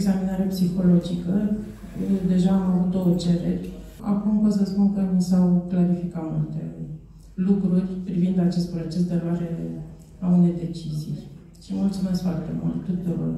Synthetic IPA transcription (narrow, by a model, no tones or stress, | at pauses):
eɡzaminaɾepsixo̞lo̞d͡ʒikə | d̪e̞ʒaːmavut̪o̞unt͡ʃe̞ɾeɾʲ | a̰kumpos̬əspunkəmisawklaɾifikat̪mult̪e̞ | lukɾurʲpɾivind̪at͡ʃe̞st̪̚pɾo̞t͡ʃe̞s̬d̪eloaɾe̞ | aunejd̪e̞t͡ʃizij | ʃimult̪sume̞skfoart̪e̞̰mṵlt̪ːut̪uɾo̞̰r